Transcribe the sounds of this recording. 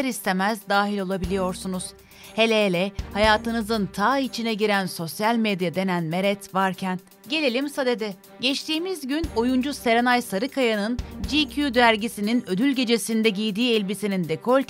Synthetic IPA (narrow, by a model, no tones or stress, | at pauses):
ɾist̪ʰe̞mæzd̪aːɦilʲo̞lˠabilʲijo̞ɾsunuz̥ | he̞lʲelʲɛhajaːt̪ɯnɯzɯnt̪ʰaːit͡ʃʰinɛɟiɾænso̞sjalʲmed̪jad̪e̞nænme̞ɾɛt̪vaɾcʰæn | ɟe̞lʲelʲimsad̪e̞d̪ɪ | ɟɛt͡ʃt̪ʰiːmizɟyno̞jund͡ʒuse̞ɾenajsaɾɯkʰajanɯnd͡ʒicʰud̪æɾɟisininø̞d̪ylʲɟe̞d͡ʒe̞sind̪ɛɟijd̪iːɛlʲbisinind̪ekʰo̞lʲt̪